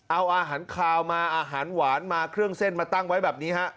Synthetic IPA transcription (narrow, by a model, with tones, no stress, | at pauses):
ʔa˧wʔaː˧ɦaː˩˦nkʰlaː˧wmaː˧ʔaː˧ɦaː˩˦nwaː˩˦nmaː˧kʰɾɯ˥˩əŋse˥˩nmaː˧t̪a˥˩ŋwa˦˥jbɛː˨˩p̚niː˦˥ɦa˦˥ʔ